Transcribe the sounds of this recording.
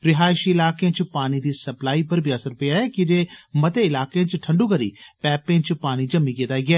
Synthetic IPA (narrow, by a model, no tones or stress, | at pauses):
ɾɪɦaːɪʃiɪlaːkeãːt͡ʃpaːñiːd̪iːsəplaːiːpəɾbʱiːəsəɾpeːaːɛːkɪd͡ʒeːmət̪eːɪlaːkeãːt͡ʃʈʰəɳɖuːkəɾḭːpɛːpẽːt͡ʃpaːñiːd͡ʒəmiːkeːt̪aːiɡɛː